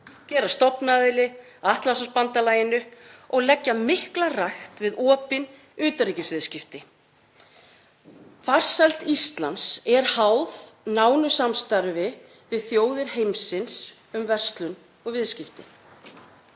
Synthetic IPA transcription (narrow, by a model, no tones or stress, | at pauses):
cɛːɾast̪ɔpnaːðɪlɪ | aht̪lansaspant̪alaːjɪnʏɔɣlɛcːamɪhklaraxt̪vɪðɔːpɪn | ʏːt̪ariːcɪsvɪðscɪft̪ɪ | far̥salt̪ist̪lansɛɾ̥hawðnaːwnʏsamst̪aɾvɪ | vɪðθjoːwðɪɾ̥hejmsɪns | ʏmvɛr̥st̪lʏn | ɔɣvɪðscɪft̪ɪ